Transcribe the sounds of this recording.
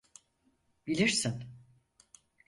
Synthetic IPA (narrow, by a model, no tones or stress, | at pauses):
bilʲiɾsin